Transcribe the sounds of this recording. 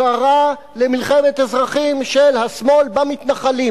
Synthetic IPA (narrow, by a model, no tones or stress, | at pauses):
aʁa | lemilχemet̪ezʁaχimʃelhasmo̞lbamit̪naχali